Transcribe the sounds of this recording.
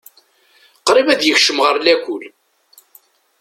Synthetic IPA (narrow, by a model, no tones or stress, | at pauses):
qɾivæðjəçʃəmʁəɾlækʷʊl